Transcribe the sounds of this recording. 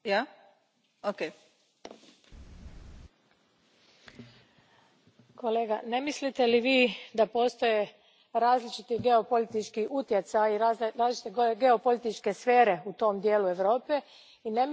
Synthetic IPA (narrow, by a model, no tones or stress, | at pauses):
ja | oke | ko̞leːɡane̞mislit̪e̞liʋiːd̪apo̞ːst̪o̞je̞ | ɾaːzlit͡ʃit̪iɡe̞o̞po̞lit̪it͡ʃkiʔut̪je̞t̪sajiɾaːzlit͡ʃi̥t̪eɡe̞o̞polit̪it͡ʃke̞sfeːɾe̞ut̪o̞md̪jeːlue̞ʋɾo̞ːpe̞ | ine̞